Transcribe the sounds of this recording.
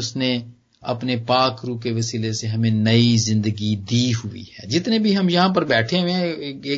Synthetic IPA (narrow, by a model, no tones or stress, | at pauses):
ʊsne | ɐ̰pnepaːkɾuːkeʋɐsiːleseɦɐmẽnɐizɪ̃nd̪əɡid̪iːɦʊḭɛːd͡ʒɪt̪nẽbʱiɦɐmjɐɦãp̬əɾbɛːʈʰeẽeː